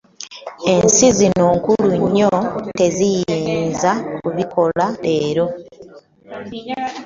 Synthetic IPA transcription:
e̞nsizino̞ːŋkuluɲːo̞te̞zijiːnzakuβikʰo̞lae̞ːɾo̞

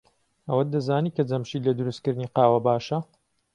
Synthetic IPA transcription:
ɐwɐd̪ɐzaːniːkɐd͡zɐmʃiːlɐd̪ʊɾust̪kɨɾd̪niːqaːwɐbaːʃɐ

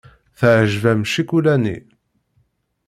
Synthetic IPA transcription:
θəʕʒvæmʃikulænḭ

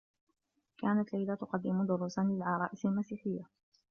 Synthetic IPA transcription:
kaːnat̪lajlat̪ʊqɑd̪ːɪmd̪ʊɾˤuːsanlɪlʕɑɾˤɑːʔɪsalmasiːħɪjːa

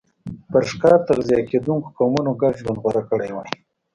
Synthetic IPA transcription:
pəɾʂkɑt̪aɣzijɑked̪uŋko̥kɑwmunoɡaɾʒwand̪ɣwaɾakəɽajwaj

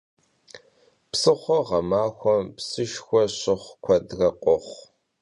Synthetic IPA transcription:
psɨχʷɔʁɐmaːxʷɔmpsɨʃxʷɔɕɪχʷkʷʰɐdrɐqʷʼɔχʷ

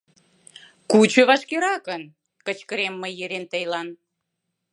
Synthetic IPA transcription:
kut͡ɕøβɑʃkeɾɑkən | kət͡ɕkəɾemːəjeɾent̪əjlɑn

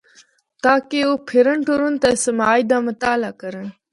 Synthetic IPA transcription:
t̪aːkeopʰiɾəɳʈoɾunt̪ɐsəmaːjd̪aːmɐt̪aːlaːkəɾən

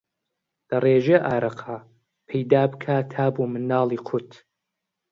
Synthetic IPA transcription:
l̥ɐreːʒeʔaːɾɐqʰa | pʰejd̪aːbɨkʰaːt̪ʰaːbumɨnːɑːlˠiːqʰʊt̪ʰ

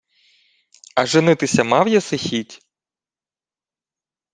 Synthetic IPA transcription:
ɐʒɪnɪt̪ɪsʲɐmɑwjɐsɪxʲitʲ

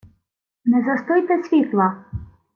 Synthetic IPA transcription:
nɛzɐst̪ɔjt̪ɛsʲʋʲit̪lˠɐ

